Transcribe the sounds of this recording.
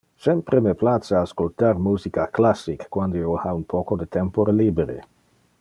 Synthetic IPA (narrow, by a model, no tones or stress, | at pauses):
sɛmpɾemeplasaːskolt̪aɾmuːzikaklasːikːwand̪oiohaunpʰokod̪et̪ɛmpoɾeliːbeɾḛ